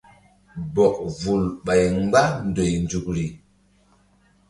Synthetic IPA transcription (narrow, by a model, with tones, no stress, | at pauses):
bɔ˨k̚vu˨lɓa˨jŋ˦ɡ͡ba˦ndo˨jnd͡ʒu˨k̚ɾi˨